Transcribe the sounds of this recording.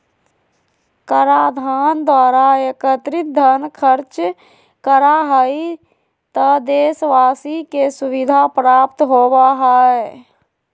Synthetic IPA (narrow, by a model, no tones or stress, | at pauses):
kəɾaːd̪ʱaːnd̪waːɾaekət̪ɾɪt̪̚d̪ʱənkʰəɾt͡ʃ | kəɾaɦəi | t̪əd̪eːsʋaːsikesʊwɪd̪ʱapɾaːp̚t̪ɦoːbaɦaɛ